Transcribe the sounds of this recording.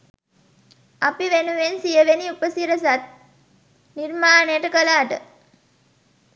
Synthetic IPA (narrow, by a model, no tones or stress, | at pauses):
apiʋenuʋensijəʋeniupəsiɾəsat̪̚ | nirmaːnəjəʈəkəlaːʈə̰